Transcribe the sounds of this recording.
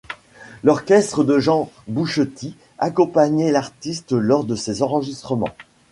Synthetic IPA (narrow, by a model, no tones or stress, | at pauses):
lɔʁkʲɛst̪χəd̪əʒɑ̃buʃət̪ʰi | akɔ̃paɲelaʁt̪ist̪lɔʁd̪əsezɑ̃ʁəʒist̪χəmɑ̰̃